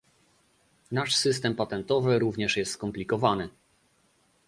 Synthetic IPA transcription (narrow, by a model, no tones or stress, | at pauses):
naʂsɘst̪ɛmpat̪ɛnt̪ɔvɘɾuvɲɛʂjɛst̪skɔmplʲikɔvanɘ